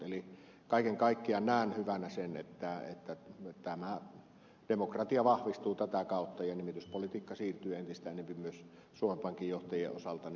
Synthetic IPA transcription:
eli | kɑˑikeŋkɑˑikːiɑnæˑːnhyʋænæsenḛt̪ːæḛt̪ːæt̪æmæ | d̥emokrɑt̪iɑʋɑhʋist̪uːt̪æt̪ækɑˑot̪ːɑjɑnimit̪yspolit̪iːkːɑsiːrt̪yːent̪ist̪æˑʔenːempimmyøs | suomempɑŋkˑijjoht̪ɑjˑḛʔʔosɑlt̪ɑn

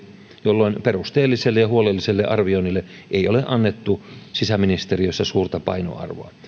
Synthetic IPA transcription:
jolːoinperust̪eːlːiselːejɑhuolelːiselːeʔɑrʋioinilːe | ʔeioleʔɑnːet̪ːusisæminist̪eriøsːɑsuːrt̪ɑpɑ̰ino̰ɑ̰rʋo̰ɑ

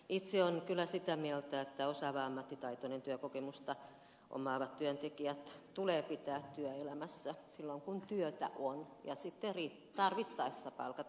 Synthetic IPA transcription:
it̪seonkylːˑæsit̪æmielt̪æet̪ːæosɑʋɑɑmːɑt̪ːit̪ɑit̪onent̪yøkokemust̪ɑ | ʔo̰mɑːʋɑt̪t̪yønt̪ekiæt̪t̪uleːpit̪æːt̪t̪yøelæmæsːæsilːoŋkunt̪yøt̪æ̰ʔon | jɑsit̪ːeri | t̪ɑrʋit̪ːɑesːɑpɑ̰lkɑ

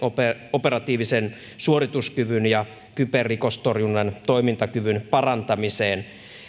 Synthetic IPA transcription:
opeoperɑt̪iːʋisen | suorit̪uskyʋynjɑ | kyperːikost̪orjunːɑnt̪oimint̪ɑkyʋynpɑrɑnt̪ɑmiseːn

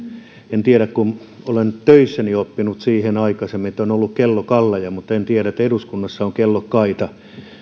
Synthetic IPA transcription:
ent̪iæɾækkun | olent̪øisːæniopːinut̪siːhenɑikɑsemːiet̪ːonolːukkelːokɑlːɑjɑmut̪ːent̪iæɾæet̪ːeɾuskunːɑsːɑoŋkelːokkɑit̪ɑ

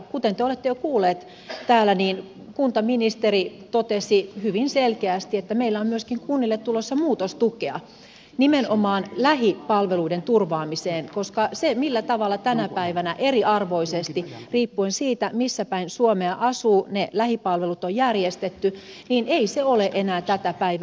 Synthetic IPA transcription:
kut̪ent̪eolet̪ːejokuːlːˑeːt̪ | t̪æːlæniːn | kunt̪ɑminist̪erit̪ot̪esihyʋinselkeæst̪iet̪ːæmeilːæommyøskiŋkunːilːet̪ːulosːɑmuːt̪ost̪ukeɑ̰ | nimenomɑːnlæɦipɑlʋeluident̪urʋɑːmiseːnkoskɑsemilːæt̪ɑʋɑlːɑt̪ænæpæiʋænæʔeriɑrʋoisest̪iriːpːuensiːt̪æmisːæpæinsuomeɑʔɑsuːnelæhipɑlʋelut̪ojjærjest̪et̪ːy | niːneiseoleʔenæːt̪æt̪æpæiʋ

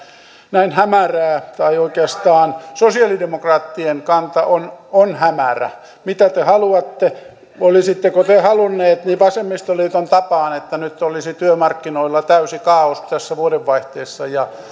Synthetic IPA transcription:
næinhæmæræːt̪ɑioikeɑst̪ɑːnsosiɑlidemokrɑːt̪ːieŋkɑnt̪ɑʔononhæmæræ̰ | mit̪æt̪ehɑluɑt̪ːe | olisit̪ːekot̪ehɑlunːeːt̪niʋɑsemːist̪oliːt̪ont̪ɑpɑːnet̪ːænyt̪ːolisit̪yømɑrkːinoilːɑt̪æysikɑːost̪æsːæʋuodeʋʋɑiht̪eːsːɑjɑ

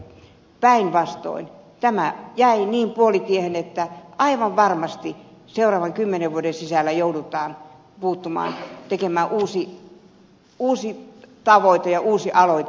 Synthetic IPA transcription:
pæinʋɑst̪o̰int̪æmæjæiniːmpuolit̪iehenet̪ːæʔɑiʋɑʋʋɑrmɑst̪iseurɑːʋɑŋkymːeneʋʋuodensisælːæjoudut̪ˑɑːn | puːt̪ːumɑ̰ːnt̪ekemæːʔuːsi | uːsit̪ɑʋoit̪ejɑʔuːsiʔɑloi

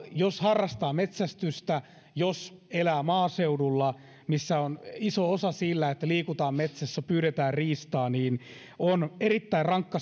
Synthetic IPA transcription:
joshɑrːɑst̪ɑːmet̪sæst̪yst̪æ | joselæːmɑːseudulːɑ | misːæonisoosɑsilːæet̪ːæliːkut̪ɑːmmet̪sæsːæpyːɾet̪æːrriːst̪ɑːniːn | onerit̪ːæirrɑŋkːɑ

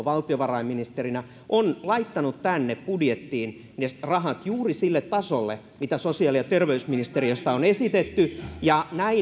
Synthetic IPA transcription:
ʋɑlt̪ioʋɑrɑimːinist̪erinæ | ʔonlɑit̪ːɑnut̪t̪ænːeppudjet̪ːiːn | nerɑɦɑt̪juːrisilːet̪ːɑsolːe | mit̪æsosiɑliɑt̪erʋeysminist̪eriost̪ɑonesit̪et̪ːyjɑnæi

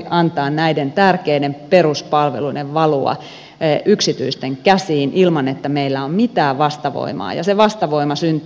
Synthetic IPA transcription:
ɑnt̪ɑːnnæident̪ærkeidemperuspɑlʋeluideʋʋɑluɑ̰ | ʔyksit̪yist̪eŋkæsiːnʔilmɑnet̪ːæmeilːæommit̪æːʋɑst̪ɑʋo̰imɑ̰ːjɑ̰seʋɑst̪ɑʋoimɑsynt̪

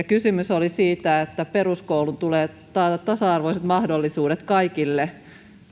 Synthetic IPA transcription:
ɑkysymysolisiːt̪æet̪ːæperuskoulunt̪uleː | t̪ɑːt̪ɑt̪t̪ːɑsɑɑrʋoiset̪mɑhdolːisuːdet̪kɑikilːe

